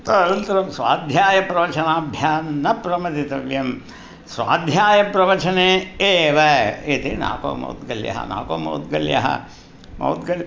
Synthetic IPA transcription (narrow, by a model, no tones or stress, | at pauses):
t̪ɐɐɾɐnt̪ɐɾɐmsʋa̰ːd̪ʱjaːjɐpɾɐʋɐt͡ʃɐnaːbʱjaːnːɐpɾɐmɐt̪it̪ɐʋjɐm | sʋa̰ːd̪ʱjaːjɐpɾɐʋɐt͡ʃɐneːeːʋɐet̪ina̰ːko̰ːmɐ̰wt̪̚ɡɐljɐ̰ɦɐ̰na̰ːkoːmɐ̰wt̪̚ɡɐljɐ̰ɦɐ̰ | mɐ̰wt̪̚ɡɐlj